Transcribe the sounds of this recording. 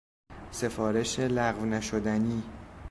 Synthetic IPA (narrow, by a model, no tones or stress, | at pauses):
se̞fɒːɾe̞ʃelæɣvnæʃod̪æniː